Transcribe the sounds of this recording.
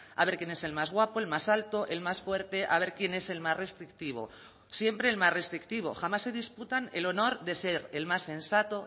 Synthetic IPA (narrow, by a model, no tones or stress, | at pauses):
a̰βe̞ɾkje̞ne̞se̞lmazɣ̞wapo̞e̞lmasalt̪o̞ʔelmasfwe̞ɾt̪e̞ʔaβ̞e̞ɾkje̞neselmazre̞st̪ɾik̚t̪iβo̞̰ | sje̞mpɾe̞ːlmazre̞st̪ɾikt̪iβ̞o̰xamasːe̞ðisput̪ane̞lo̞no̞ɾðe̞se̞ɾe̞lmasːe̞nsat̪o̞